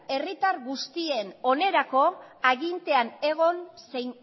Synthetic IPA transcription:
e̞rit̪arɣust̪ie̞no̞ne̞ɾako̞aɣint̪e̞ane̞ɣ̞o̞nsejn

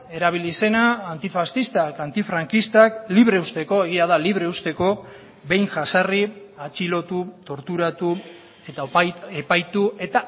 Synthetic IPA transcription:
e̞ɾaβ̞ilise̞naːnt̪ifast̪ist̪akant̪ifɾaŋkist̪akliβ̞ɾe̞ust̪e̞ko̞e̞ɣ̞iað̞aliβɾe̞ust̪e̞ko̞ | be̞jnʝasari | at͡ʃilo̞t̪ut̪o̞ɾt̪uɾat̪u | e̞t̪aepajt̪ue̞t̪a

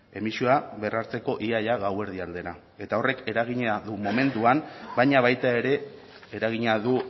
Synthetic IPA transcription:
e̞misioaβe̞raɾt͡se̞ko̞ʔiaʎaɣawe̞ɾðiald̪e̞ɾa | e̞t̪ao̞re̞ke̞ɾaɣiɲeaðumo̞me̞nt̪uambajɲaβ̞ajt̪ae̞ɾe̞ː | ɾaɣ̞iɲeaðu

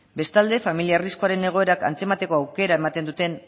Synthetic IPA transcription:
be̞st̪ald̪e̞familiarisko̞aɾe̞ne̞ɣ̞o̞eɾaka̰nt͡se̞mat̪e̞ko̞awke̞ɾae̞mat̪e̞nd̪ut̪e̞n

